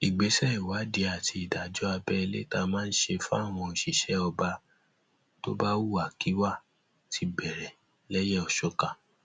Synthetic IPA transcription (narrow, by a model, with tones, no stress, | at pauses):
i˨ɡ͡be˨˦sɛ˦i˨wa˨˦de˨˦a˨tʰi˧i˨da˨d͡ʒɔ˨˦a˧bɛ˧i˧le˦ta˧mãː˦n̩˦ʃe˧fũ˦a˦˨w̃ɔ̃˧˨ʃi˦˨ʃɛ˨˦ɔ˧ba˧ | to̰˦ba˦wu˦˨a˨ki˨˦wa˦˨ | tʰi˧bɛ˨ɾɛ˨ | lɛ˦jɛ˦ɔ˨ʃɔ˨ka˨